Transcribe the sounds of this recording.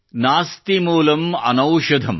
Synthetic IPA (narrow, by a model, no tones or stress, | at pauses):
naːst̪imuːlɐmɐ̰nɐwʂɐd̪ʱɐm